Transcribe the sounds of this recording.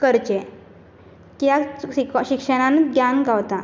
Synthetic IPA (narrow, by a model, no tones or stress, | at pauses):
kəɾt͡ɕe | kjaɕikʂəɽ̃ãnɡjanɡawt̪a